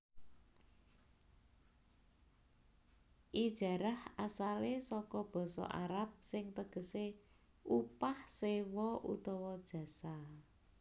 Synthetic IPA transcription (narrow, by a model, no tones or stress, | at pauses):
ʔid̥ʒ̥a̤ɾahasalesɔkɔb̥ɔ̤sɔ̰ʔa̰ɾap̚sɪŋt̪əɡ̥ə̤se | upahsewɔʔṵt̪ɔwɔd̥ʒ̥ä̤sa